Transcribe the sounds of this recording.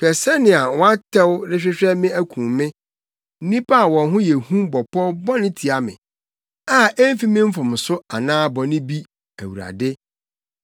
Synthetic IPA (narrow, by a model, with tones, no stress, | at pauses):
pʰɛ˨sɛ˦nɪ̃˨a˨wɔ̃˦a˦tʰɛ˦wɾɪ˦ɕᶣɪ˦ɕᶣɛ˦mɪ̃˦æ˦kʰũ˨mmːɪ̃˦ | n̩˦nĩ˦pʰa˦a˨wɔ̃˨nɦʊ̃˦jɛ˨hũ˦bɔ˨pʰɔ˦bɔ˦nɪ̃˦tʰi˨a˨mɪ̰̃˨ | a˦ɛ˦m˦fi˦mɪ̃˦m̩˦fʊ̃˨m˨sʊ˦a˨nãː˦bɔ˨nɪ̃˦bi˦ | æ˨wu˨ɾa̰˨dɪ˦